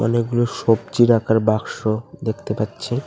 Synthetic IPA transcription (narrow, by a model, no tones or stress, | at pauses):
ɔ̰nekɡuloʃob̚t͡ɕiɾakaɾbakʃod̪ekʰt̪epatːɕʰe